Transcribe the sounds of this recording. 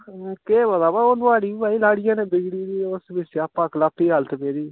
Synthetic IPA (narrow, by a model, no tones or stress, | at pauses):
keːbəd̪aːbaːoːnʊaːɽiːiːbaːiːlaːɽɪjãːnẽːbɪɡɽiːɾiːosbɪsapãːklaːpːiːɦalt̪meːɾiː